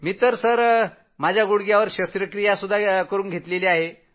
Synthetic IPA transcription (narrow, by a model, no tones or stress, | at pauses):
miːt̪əɾsəɾ | mad͡ʑʱjaɡuɽɡjaʋəɾɕəsɾəkɾijasud̪ʱːakəɾuːnɡʱet̪leleaɦe